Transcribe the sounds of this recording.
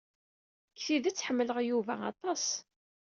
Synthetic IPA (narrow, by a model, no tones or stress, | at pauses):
kːθiðæt͡sːħəmːələʁjuvæ̰ɑ̰t̪ˤɑs